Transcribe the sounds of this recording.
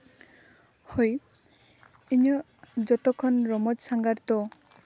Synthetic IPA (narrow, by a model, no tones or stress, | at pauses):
hoj | iɲɔ | d͡ʒɔt̪ɔkʰɔnɾɔmɔd͡ʒsaŋɡaɾt̪ɔ